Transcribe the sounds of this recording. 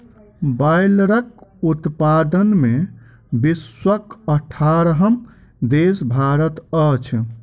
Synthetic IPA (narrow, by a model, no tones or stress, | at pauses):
bajlɾək̚ut̪pad̪ənme | biswəkəʈʰaɾɦəm | d̪esbʱaɾət̪ət͡ʃʰ